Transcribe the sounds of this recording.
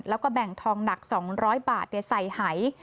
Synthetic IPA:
lɛː˦˥wkɔː˥˩bɛ˨˩ŋt̪ʰɔː˧ŋna˨˩k̚sɔː˩˦ŋɾɔː˦˥jbaː˨˩t̪̚na˧˩sa˨˩jha˩˦j

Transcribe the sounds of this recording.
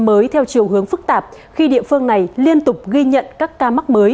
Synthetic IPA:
məː˨˦jt̪ʰɛ˧wt͡ɕi˨˩əwɦɨ˨˦əŋfɨ˦˥k̚t̪aː˨˩p̚ | xi˧ɗḭ˧˨əfɨ˧əŋna˨˩jli˧ənt̪ʊ˨˩k͡p̚ɣi˧ɲə̰˧˨nkaː˦˥kːaː˧ma˦˥k̚məː˨˦j

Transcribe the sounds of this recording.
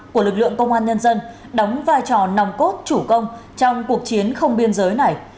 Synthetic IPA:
ku˧˩əlɨ˨˩k̚lɨ̰˧˨əŋkə˧wŋ͡mʔaː˧nɲə˧nzə˧n | ɗa˨˦wŋ͡mvaː˧jt͡ɕɔ˨˩na˨˩wŋ͡mko˦˥t̚t͡ɕu˧˩kə˧wŋ͡mt͡ɕɔ˧wŋ͡mku˨˩ək̚t͡ɕi˨˦ənxə˧wŋ͡mɓi˧ənzəː˨˦jna˨˩j

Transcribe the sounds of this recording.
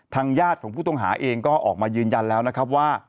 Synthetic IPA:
t̪ʰaː˧ŋjaː˥˩t̪̚kʰɔː˩˦ŋpʰuː˥˩t̪ɔ˥˩ɦa̰ː˩˦ʔeː˧ŋkɔː˥˩ʔɔː˨˩k̚maː˧jɯː˧nja˧nlɛː˦˥wna˦˥kʰɾa˦˥p̬̚waː˥˩

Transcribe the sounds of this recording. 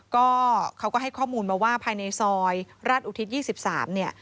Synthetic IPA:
kɔː˥˩kʰa˦˥wkɔː˥˩ɦa˥˩jkʰɔː˥˩muː˧nmaː˧waː˥˩pʰaː˧jna˧jsɔː˧jɾaː˥˩t̪ʔuː˧˩t̪ʰi˦˥t̪̚jiː˥˩si˨˩p̚sa̰ː˩˦mni˥˩ɐ

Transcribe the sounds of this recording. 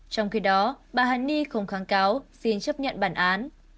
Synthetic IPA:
t͡ɕɔ˧wŋ͡mxi˨˦ɗɔ˨˦ɓaː˨˩ɦa˨˩ni˧xə˧˩wŋ͡mxaː˨˦ŋkaː˨˦wsi˧nt͡ɕə˦˥p̚ɲə̰˧˨nɓaː˧˩nʔaː˨˦n

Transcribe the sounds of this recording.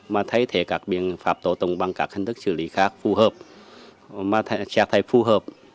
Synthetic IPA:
maː˧t̪ʰa˧˥˦jt̪ʰeː˨˦ka˨˩k̚bi˧əŋfaː˨˩p̚t̪o˧t̪o˧˩ŋbaː˧ŋka̰˨˩k̚ʰːa˧˥˨nt̪ʰɯ˦˥k̚sʰɯː˧˩liː˨˦kʰaː˦˥k̚fʰuː˧ɦɤː˧˩p̚ | maː˧t̪ʰt͡ɕʰɛː˧˥k̚t̪ʰa˧˩jfʰuː˧˩ɦɤː˧˩p̚

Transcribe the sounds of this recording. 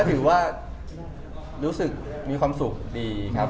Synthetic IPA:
t̪ʰɯː˩˦waː˥˩ | ɾuː˦˥sɯ˨˩k̚ | miː˧kʰwaː˧msu˨˩k̚diː˧kʰa˦˥p

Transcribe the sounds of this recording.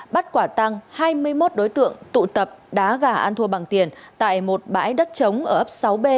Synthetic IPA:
ɓa˦˥t̚kwaː˧˩t̪a˧ŋhaː˧jmɨ˧əjmo˦˥t̚ɗo˨˦jt̪ɨ̰˧˨əŋt̪ṵ˧˨t̪ə˨˩p̚ɗaː˨˦ɣaː˧˩ʔaː˧nt̪ʰu˧əɓaː˨˩ŋt̪i˨˩ənt̪a̰ː˧˨jmo˨˩t̚ɓa̰ː˧˥jɗə˦˥t̚t͡ɕə˨˦wŋ͡mʔəː˧˩ʔə˦˥p̚sa˨˦wɓe˧

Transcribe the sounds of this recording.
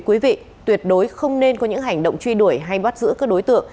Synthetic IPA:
kwi˨˦vḭ˧˨ | t̪wi˨˩ət̚ɗo˨˦jxə˧wŋ͡mne˧nkɔ˨˦ɲɨ̰˧˥ŋha˨˩jŋ̟ɗo̰˧˨wŋ͡mt͡ɕwi˧ɗu˧˩əjɦa˧jɓa˦˥t̚zɨ̰˧˥kaː˦˥k̚ɗo˨˦jt̪ɨ̰˧˨əŋ

